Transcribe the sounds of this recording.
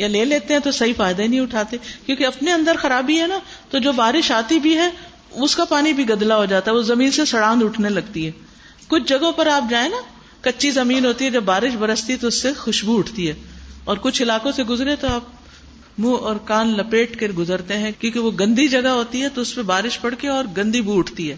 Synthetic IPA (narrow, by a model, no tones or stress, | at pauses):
jaleːleːt̪eɦɛ̃t̪osɐɦifaːjd̪ainɐɦĩʊʈʰaːt̪ekjõːkeɐpneɐ̃nd̪əɾxɐɾaːbiɦɛnat̪od͡ʒoːbaːɾɪʃaːt̪ibʱiɦɛ | ʊskapaːnibʱiɡɐd̪laɦod͡ʒaːt̪aɦɛʋozɐmiːnsesɐɽãːnd̪ʊʈʰnelɐɡt̪iɦɛː | kʊt͡ʃʰd͡ʒɐɡõpɐɾaːp̚d͡ʒaːẽna | kɐtːʃʰizɐmiːnɦoːt̪iɦɛd͡ʒɐbːaːɾɪʃbɐɾəst̪iɦɛt̪oʊsːexʊʃbuʊʈʰt̪iɦɛːɔːɾkʊt͡ʃʰɪlaːkõseɡʊzɾẽt̪oaːp̚ | mũːɔːɾkaːnlɐpeːʈkeɾɡʊzəɾt̪eɦɛ̃kjõːkeʋoɡɐ̃nd̪id͡ʒɐɡaɦoːt̪iɦɛt̪oʊspebaːɾɪʃpɐɽkeɔːɾɡɐ̃nd̪ibuʊʈʰt̪iɦɛː